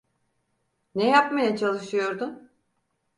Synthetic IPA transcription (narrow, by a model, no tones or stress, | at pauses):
nɛjapmajat͡ʃʰalˠɯʃɯjo̞ɾd̪ʊ